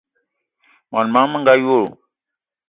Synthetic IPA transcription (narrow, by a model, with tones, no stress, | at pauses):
ma˨nmãː˦mə˦ŋɡaju˦ou˨